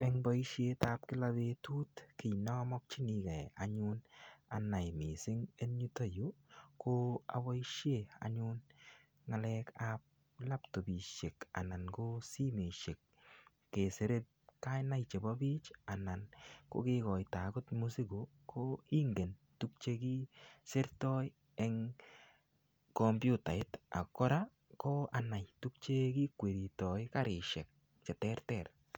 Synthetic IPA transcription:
pɛ˦ŋba˦i˦ʃje˦ta˦p̚kɪ˦la˦be˧tu˦tkɪ˨nɔ˦mɔ˦k̚t͡ʃi˦ni˨kɛ˨a̰˨ɲʊna˨na˨jmɪ˨sɪ˦ŋe˦nɲu˦ta˦ju˦ko˦a̰˨ba˦i˦ʃje˦a̰˨ɲʊn | ŋa˨lɛ˦ka˦p̚ | la˦pto˨bi˨ʃe˨ka̰˨na˨nko˦si˦me˨ʃe˨k̚ː | e˨se˨˦ɾe˦t̚ka˦jna˦jt͡ʃe˨ba˦bi˦t͡ʃa˨na˨nko̰˦kɪ˦kɔ˨jta˨ɡʊ˦tmu˦si˦ɡo˨ | kʰo˦i˦ŋɡe˨n | tu˦k̚t͡ʃeki˦sɪ˦ɾtɔ˦j | ɛ˦ŋ | kɔ˨mbjʊ˦ta˨ɪ˦ta̰˨kːɔ˦ɾa˦ | kɔ˦a˨na˨jtu˦k̚t͡ʃe˦ki˦kwe˨ɾi˨tɔ˨jka˦ɾɪ˨ʃɛ˨k̚ | t͡ʃɛ˨tɛ˦ɾtɛ˨r

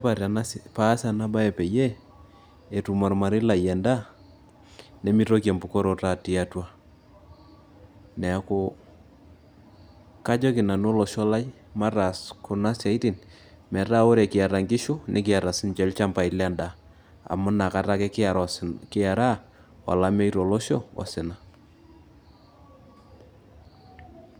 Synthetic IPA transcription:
pa˨ɾa˨na˦spa˦sa˨na˦ba˦e˨pe˨je˦ | e˨tu˨ma˨ɾma˨ɾɪ˦la˨jɛ˨nda˦ | ne˦mi˦to˦kja˨mbu˨ko˦ɾo˦ta˨ti˦a˦twa˦ | nɛ˨a˨ko˦ | ka˦d͡ʒɔ˦kɪ˨na˨n˦o˦lɔ˨ʃɔ˦la˦j | ma˦ra˨skʊ˨na˦sja˨i˦ti˨n | mɛ˨ta˦o˦ɾe˨kɪ˨a˨ɾa˨ŋɡɪ˦ʃo˦nʔe˦k̬ɪ˨a˨ɾa˨sɪ˦nt͡ʃɛ˨˦lt͡ʃa˦mpa˨i˨lɛ˦nda˨ | a̰˨mʊ˦na˨ka˦ta˦kɛ˦k | kɪ˦a˨ɾa˦ | wa̰˨la˦mɛ˦i˦ɾɔ˨lɔ˦ʃɔ˦ɔ̰˨sɪ˨na˦

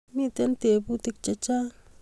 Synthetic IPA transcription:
mi˦t̪e˦nt̪e˨pu˦t̪i˦˧k̚t͡ʃe˧t͡ʃa˦

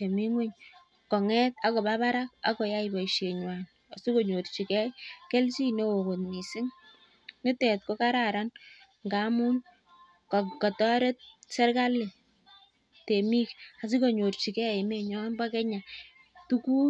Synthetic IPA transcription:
t͡ʃe˨mi˦ŋwe˦ɲ | kɔ˨ŋɛ˦ta˨kɔ˨ba˦ba˦ɾa˦k̚a̰˨kɔ˨ja˦iba˨iʃe˨ɲwa˨n | a˨si˦ko˨ɲo˨rt͡ʃi˨kɛ˦kɛ˦lsi˦ne˦o˨ko˨tmi˨sɪ˦ŋ | nɪ˦tɛ˨t̚ko˦ka˦ɾaɾa˦n | ŋɡa˦mu˦n | kkɔ˨tɔ˦ɾɛ˦t̚sɛ˦rka˦le˨ | te˨mi˦ka˨s̬i˦ko˨ɲo˨rt͡ʃi˨kɛ˦ɪ˨me˨ɲɔ˦nba˦kɛ˦ɲa˨ | tu˦ku˦

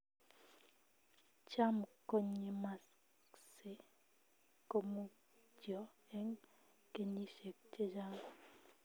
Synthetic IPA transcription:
t͡ʃa˦mko˦ɲe˨ma˨s | se˨˦ | ko˦mu˦ | d͡ʒjɔ˨ɛ˦ŋ | ke˨ni˦ʃe˨k̚t͡ʃe˦d͡ʒa˦ŋ˨

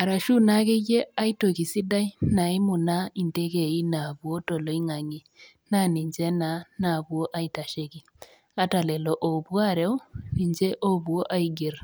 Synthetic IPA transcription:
a˨ɾa˨ʃu˦na˦ke˦je˦a˦i˦to˨ki˨si˦da˦i˦na˨ɪ˦mʊ˨na˦i˨nte˦ke˨i˦na˨bwo˦tɔ˨lɔ˨i˦ŋa˨ŋi˨ | na˦ni˨ɲd͡ʒɛ˦na˦na˨bwo˦ʔa˦i˨ta˨ʃe˦ki˨ | a˦ta˨lɛ˨lɔ˨ʔo˨bwa˦ɾɛ˦wi˨ɲd͡ʒe˦ʔo˦bu˨o˦ʔa˦i˨ɡe˨r

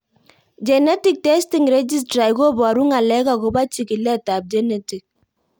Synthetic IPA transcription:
d͡ʒɛ˨nɛ˦ti˨k̚tɛ˦sti˨ŋɾɛ˦d͡ʒi˦s̬tɾa˨i˦ko˦bɔ˨a˨ɾu˦ŋa˨lɛ˦ka˨ko˨ba˦t͡ʃi˨ki˨lɛ˦˨ta˨b̚d͡ʒɛ˦nɛ˦ti˨k̚

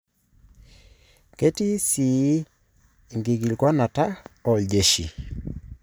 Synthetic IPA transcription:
ke˦ti˦si˨˦˨ | ŋɡi˨ɡi˨lɡwɔ˦na˨ta˦ɔ˨ld͡ʒe˨ʃḭ˨

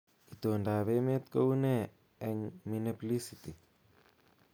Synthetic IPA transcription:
i˨t̪o˨nda˨βe˦me˦t̪̚ko˦u˦nɛ˦ | ɛ˧nminepli˦sit̪i˨

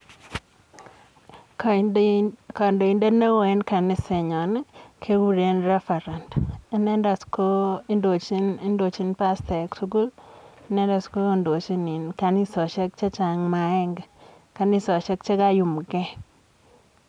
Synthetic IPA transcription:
k | ka˨ndo˨i˨nde˦ne˦we˨˦nka˨nɪ˦se˨ɲɔ˨nɛ˦kʰe˦ɡu˦ɾe˦nɾɛ˦fɛ˨ɾa˨nti˦nɛ˦nda˨sko˦i˦ndo˨t͡ʃi˦ni˦ndo˨t͡ʃi˦npa˦st̪ɛ˨ksu˦ɡu˦li˦nɛ˦nda˨sko˦o˦ndo˨t͡ʃi˦ni˨nka˨ni˦sɔ˨t͡ʃɛ˦k̚t͡ʃe˦t͡ʃa˨ŋma˨˦ɛ˦ŋɡ | ka˨ni˦sɔ˨t͡ʃɛ˦k̚t͡ʃe˦ka˦ju˨m˨kɛ˦

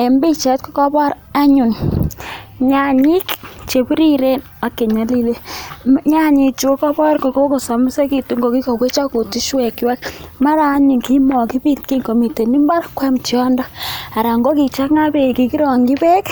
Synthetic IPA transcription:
e˨mbi˦t͡ʃɛ˨˦t̚kɔ˦kɔ˦bɔ˦ɾ | a˦ɲu˨n | ɲa˦ɲi˦kt͡ʃe˨pi˦ɾi˦ɾe˦n | a˨˦kːe˨ɲa˨˦li˦le˦ɲa˦ɲi˨t͡ʃu˦o˦kɔ˦bɔ˦ɾkɔ˨ko˦ko˨sɔ˨m˦sa˦ki˨tu˦ŋɡo˨ki˦kɔ˨kwe˦t͡ʃa˦ko˨ti˦ʃwɛ˨kwɛ˦kma˦ɾaː˨˦ɲu˨nki˦mɔ˨ki˦bi˦tki˦ŋko˨mi˨te˨ni˦mba˦ɾkwɛ˦mt͡ʃjɔ˦ndɔ˦a˨ɾa˨ŋɡo˦ki˨t͡ʃa˦ŋa˦be˨ki˨ki˦ɾɔ˨ŋɡi˦pɛ˦k

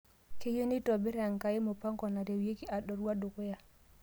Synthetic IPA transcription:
ke˦jo˦ni˦tɔ˨bi˦ɾa˨ŋkaji˦mɔpa˦ŋkɔ˨na˨de˨wje˦ki˦a˨ɗɔ˨ɾuwa˦dɔ˨kɔ˦ja˨

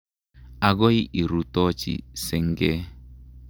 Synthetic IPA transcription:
a˨ɡɔ˦i˦ʔi˨ɾu˨tɔ˦t͡ʃḭ˨sɛ˨ŋɡɛ˦

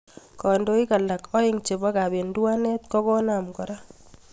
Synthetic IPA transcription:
kɔ˨ndo˦i˦ka˨la˨kɔ˦ɪ˦ŋt͡ʃe˨ba˦ka˨be˨ndwa˦nɛ˦t̚kɔ˦kɔ˦na˨mkɔ˨ɾa˦

